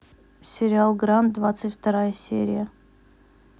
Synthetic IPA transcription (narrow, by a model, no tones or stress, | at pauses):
sʲɪɾʲɪalˠɡɾant̪̚d̪vat̪sɨtʲft̪ɐɾajəsʲḛɾʲɪjə